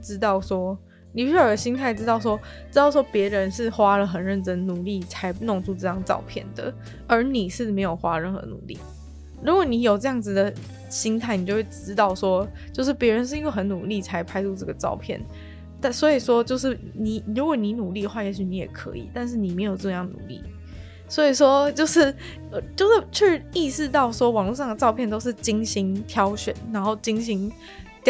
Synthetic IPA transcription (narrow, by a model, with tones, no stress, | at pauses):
ʈ͡ʂɻ̩˥t̪ɑ˥˩ʊswɔ˥ | ni˨˩pɕə˧˩ɕi˥ŋt̪ʰa˥˩ɪʈ͡ʂɻ̩˥t̪ɑ˥˩ʊs̬wɔ˥ | ʈ͡ʂɻ̩˥t̪ɑ˥˩ʊswɔ˥pjɛ˧˥ɻə˧˦nʂɻ̩˥˩xwa˥lə˨xə˨˩nɻə˥˩nʈ͡ʂə˦ŋnu˨˩li˥˩t͡sʰa˧˥ɪpnʊ˥˧ŋt͡sʰu˥˧ʈ͡ʂɤ˥˧jɑ˥˧ŋʈ͡ʂɑ̰˥˧ʊpʰjɛ̰˥˩nd̪ə̰˩ | ə˞˨˧˥ni˨˩ʂɻ̩˥˩me˧˥ɪjo˨˩ʊxwa˥ɻə˥˧nxɤ̰˧˦nṵ˨˩lḭ˥˩ | ɻu˧˥kwɔ˨˦ni˧˥jo˨˩ʊʈ͡ʂɤ˥˧jɑ˥˩ŋd͡z̩˨˩d̪ə˩ | ɕi˥ŋt̪ʰa˥˩ɪni˨˩t͡ɕjo˥˧ʊwe˥˩ɪʈ͡ʂɻ̩˥t̪ɑ˥˩ʊʂwɔ˦˥t͡ɕjo˥˧ʊʂɻ̩˥˩pjɛ˧˥ɻə˧˦nʂ̬ɻ̩˥˩i˥we˥˩xə˧˦nnu˨˩li˥˩t͡sʰa˧˥ɪpʰa˥ɪʈ͡ʂʰu˥˧ʈ͡ʂɤ˥˩ɡə˩ʈ͡ʂɑ̰˥˧ʊpʰjɛ̰˥˩n | t̪a˥˩nswɔ˧˥i˨˩ʂwɔ˥t͡ɕjo˥˧ʊʂɻ̩˥˩ | ni˨˩˦ɻu˧˥kwɔ˨˩˦ni˧˥nu˨˩li˥˩d̪ə˩xwa˥˩jɛ˧˥ɕy˧˥ni˧˥jɛ̰˨˩kʰɤ̰˧˦ḭ˨˩t̪a˥˧nʂ̬ɻ̩˥˩ni˨˩me˧˥ɪjo˨˩ʊʈ͡ʂɤ˥˧jɑ˥˩ŋnṵ˨˩lḭ˥˩ | swɔ˧˥i˨˩ʂwɔ˥t͡ɕjo˥˧ʊʂɻ̩˥˩ | ə˧˩t͡ɕjo˥˧ʊʂ̩˥˩t͡ɕʰɛ˥˩ʂ̩˥i˥˧ʂɻ̩˥˧t̪ɑ˥˩ʊʂwɔ˥wɑ˨˩ŋlu˥˧ʂɑ˥˩ŋd̪ə˩ʈ͡ʂɑ˥˧ʊpʰjɛ˥˩nt̪o˥ʊʂ̬̩˥˩t͡ɕi˥ŋɕi˥ŋt̪ʰjɑ˥ʊɕɥɛ̰˨˦nːa˧˥nxo˥˩ʊt͡ɕi˥ŋɕ̬i˧˥ŋ